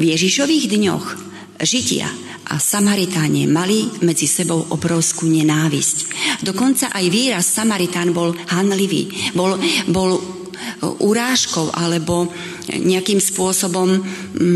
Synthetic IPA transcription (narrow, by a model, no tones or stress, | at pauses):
vjɛʒiʃɔʋiːɣd̪ɲɔ̰x | ʒicɪa̰ | ʔa̰samaɾit̪aɲɛ̰malimɛd͡zisɛbɔʊʔɔbɾɔʊskuːɲɛnaːʋḭscd̪ɔkɔnt͡saʔajʋiːɾasːamaɾit̪aːnbɔlhanliʋḭːbɔlbɔl | ʔuɾaːʃkɔʊʔalɛbɔ | ɲɛakiːmspʊɔsɔbɔm